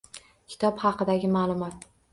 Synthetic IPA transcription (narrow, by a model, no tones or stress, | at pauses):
kʲʰɪ̥t̪ʰɒphɑqʰɨd̪aɡʲɪmaːlˠʊmɒt̪̚